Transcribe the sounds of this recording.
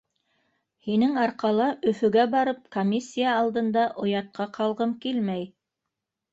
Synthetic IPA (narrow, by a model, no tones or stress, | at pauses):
hinɘŋɑɾqɑlˠɑʔɵ̆fɵ̆ɡæbɑɾɤp̚komʲisʲːijaːlˠd̪ɤ̆nd̪ɑʔŏjɑt̪̚qʰɑqɑlˠʁɤmkilmæj